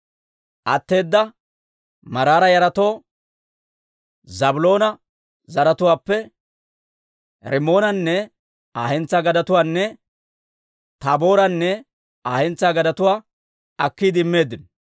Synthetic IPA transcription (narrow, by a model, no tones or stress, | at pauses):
ʔɐt̪ːe̞ːd̪ːɐ | mɐɾaːɾɐjɐɾɐt̪o̞ː | zɐbʊlo̞ːnɐ | zɐɾɐt̪ʊwaːpːɛ | ɾɪmo̞ːnɐnːɛ | aːhɛnt͡sːaːɡɐd̪ɐt̪ʊwaːnːɛ | t̪abo̞ːɾɐnːɛ | aːhɛnt͡sːaːɡɐd̪ɐt̪ʊwaː | ɐkːiːd̪ɪɪmːe̞ːd̪ːɪn